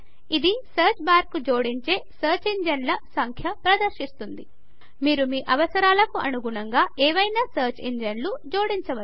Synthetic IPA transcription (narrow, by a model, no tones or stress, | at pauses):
id̪isɐɾt͡ʃbaːɾkːud͡ʒoːɽiɲt͡ʃe̞ːsɐːɾt͡ʃiɲd͡ʒɐnlɐsɐŋkʰjɐpɾɐd̪ɐɾʃist̪und̪i | miːɾumiːʔɐʋɐsɐɾaːlɐkuʔɐnuɡuɳɐŋɡaːʔɛːʋɐjnaːsɐːɾt͡ʃiɲd͡ʒɐnlud͡ʒo̞ːɽiɲt͡ʃɐʋɐ